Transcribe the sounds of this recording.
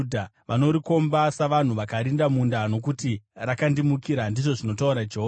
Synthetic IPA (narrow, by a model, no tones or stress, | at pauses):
dʱaʋano̞ɾiko̞mbasaʋan̤uʋakaɾindamundano̞k̬utirakandimukiɾandiʐo̞ʐino̞tauɾad͡ʒeɦo